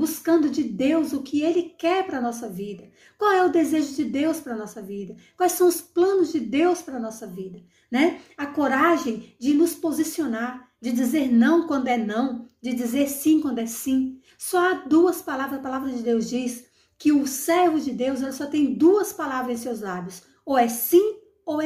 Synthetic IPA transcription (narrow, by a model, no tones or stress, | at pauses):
buskɐ̃nd̪ʊd͡ʒɪd̪ewzʊkɪelɪkɛɾpɾɐnɔsɐvid̪ɐ | kwawɛʊd̪ezeʒʊd͡ʒɪd̪ewspɾɐnɔsɐvid̪ɐkwajsɐ̃w̃ʊsplɐ̃nʊzd͡ʒɪd̪ewspɾɐnɔsɐvid̪ɐ | nɛɐkoɾaʒẽj̃d͡ʒɪnʊspozisionaɾ | d͡ʒɪd͡ʒizeɾnɐ̃w̃kwɐ̃nd̪ʊɛnɐ̃w̃d͡ʒɪd͡ʒizeɾsĩkwɐ̃nd̪ʊɛsĩ | sɔad̪uɐspalavɾɐɐpalavɾɐd͡ʒɪd̪ewzd͡ʒis | kɪʊsɛɾvʊd͡ʒɪd̪ewzɛlɐsɔt̪ẽj̃d̪uɐspalavɾɐzẽj̃sewzlabjʊs | owɛsĩ | oɛ